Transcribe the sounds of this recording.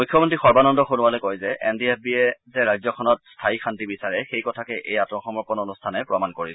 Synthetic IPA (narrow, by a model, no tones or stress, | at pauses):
mujkʰːjɔmɔntixɔɹbanɔndɔxunʊwalɔkojzɛʔɛndiep̚ʰbiɛzɛɹajzɔkʰɔnɔt̚stʰaixʰantibisaɹɛxejkɔtʰakɛʔejatmɔxɔmɔɹpɔnonustʰanɛpɹɔmankoɹil